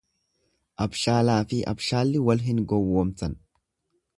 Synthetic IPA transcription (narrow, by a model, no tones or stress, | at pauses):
ʔɐbʃaːlaːfɪʔɐ̰bʃaːlːɪwɐlɦɪnɡɔwːoːmt̪ɐn